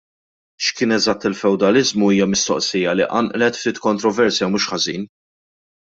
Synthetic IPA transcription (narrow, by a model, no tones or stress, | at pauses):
ʃkɪːnɛzɐt̪ːɪlfɛwd̪ɐlɪzmuiːjɐmɪst̪ɔ̰ʔsijɐliʔɐ̰nʔlɛt̪ft̪iːt̪kɔnt̪ɾɔvɛɾsjɐmuːʃħɐziːn